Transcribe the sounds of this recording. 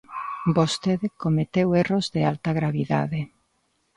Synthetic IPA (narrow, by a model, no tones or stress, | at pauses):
bost̪eðekomet̪ewerozðealt̪aɣɾaβiða̰ðe